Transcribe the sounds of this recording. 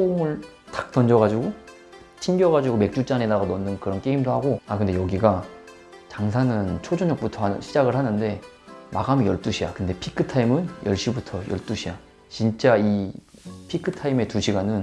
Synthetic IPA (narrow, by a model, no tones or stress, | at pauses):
oŋɯɭ | tḁk̚t͈ʌnd͡ʑʌɣad͡ʑuɡo | t͡ɕʰinɡjʌɣad͡ʑiɡome̞k̚t͡ɕ͈ut͡ɕ͈anedaɣanʌnːɯnkɯɾʌnk͈e̞imdohaɡoakɯnde̞jʌɡiɡa | t͡ɕaŋsʰanɯnt͡ɕʰod͡ʑoɲʌk̚p͈utʰʌhanɯɕʰid͡ʑaɡɯɭhanɯnde̞ | maɡamjʌɭt͈uɕʰija̰kɯnde̞pʰikʰɯtʰaimɯnjʌɭɕ͈ibutʰʌjʌɭt͈uɕʰija | t͡ɕint͡ɕ͈ai | pʰikʰɯtʰaime̞tuɕʰiɡanɯn